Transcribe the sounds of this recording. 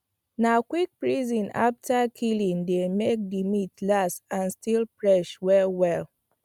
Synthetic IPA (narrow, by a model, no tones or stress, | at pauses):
nakwik̚pɹizɔ̃na̰ftʰakʰilĩŋdemek̚dimitlasãnstilpɹɛʃwɛlwɛl